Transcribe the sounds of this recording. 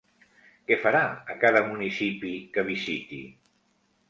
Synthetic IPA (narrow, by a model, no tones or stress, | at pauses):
kɛfaɾaəkaðəmunisipikəβizit̪i